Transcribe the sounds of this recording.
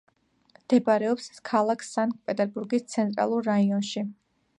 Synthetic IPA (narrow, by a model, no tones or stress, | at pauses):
md̪̥ɛbaɾɛɔpskʰalˠakʰsaŋkʼpʼɛt̪ʼɛɾbuɾɡist̪sʰɛnt̪ʼɾa̰lˠuɾːaiɔnʃi